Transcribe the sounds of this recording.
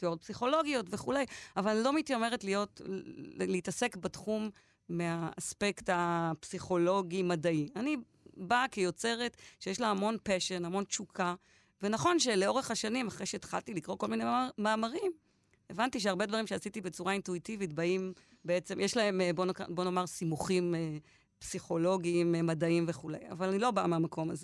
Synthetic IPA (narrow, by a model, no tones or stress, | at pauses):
tod̚psiχo̞lo̞ɡjo̞tve̞χulejavallo̞mitjome̞ʁ̞etlijo̞t | leitase̞kbatχumː | eaːspe̞ktapsiχo̞lo̞ɡimadaiani | bakejo̞t͡se̞ʁe̞tʃejeʃlahamo̞npeʃenhamo̞nt͡ʃukʰa | venaχo̞nʃeleo̞ʁeχhaʃanimaχʁejʃeːt̪χa̰ltilikʁo̞kolminemaːmaʁim | evantiʃ̬eaʁbe̞dvaʁimʃeasitibet͡suʁaintuitivitbaim | beet͡semjeʃlae̞mbonkbo̞nomaʁsimuχime | psiχo̞lo̞ɡiːmmadaimve̞χulḛja̰valanilo̞baameamako̞maze